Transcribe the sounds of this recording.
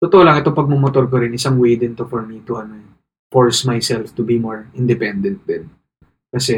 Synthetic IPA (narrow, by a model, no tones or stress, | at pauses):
t̪ot̪oʔolɐŋɛt̪opɐɡ̚momot̪oɾk̬oɾɪnʔɪsaŋwejd̪ɪnt̪ofɔɹmit̪uɐno | fɔɹsmajsɛlft̪ʊbimoɹɪnd̪ɪpɛnd̪ɛnt̪̚d̪ɛn | kɐsɛ